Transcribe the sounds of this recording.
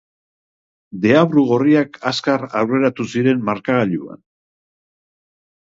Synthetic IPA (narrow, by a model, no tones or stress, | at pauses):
d̪e̞aβɾuɣ̞o̞riakaskarawre̞ɾat̪usiɾe̞nmaɾkaɣaʎua̰n